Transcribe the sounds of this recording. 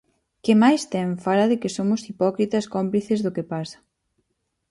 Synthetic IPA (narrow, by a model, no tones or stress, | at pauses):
kɪmajst̪ɛɱfalɐðɪkɪsomʊsipɔkɾit̪ɐskompliθɪzðʊkɪpasɐ̥